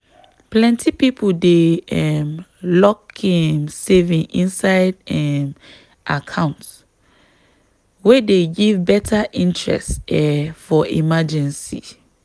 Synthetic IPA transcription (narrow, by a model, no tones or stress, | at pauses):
plɛ̃ntʰipipʰudeɛmlɔkɛmsevĩŋĩnsaɪdɛm | ʔakʰãʊ̃nts | wedeɡivbɛtʰaʔĩntʰɹɛ̰stɛfɔʔḭmad͡ʒɛ̃nsḭ